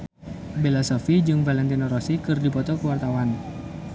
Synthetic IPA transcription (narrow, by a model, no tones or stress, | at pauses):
belasofid͡ʒɨŋvalɛnt̪̬inɔɾosikɨrdipɔt̪ɔkəwart̪awan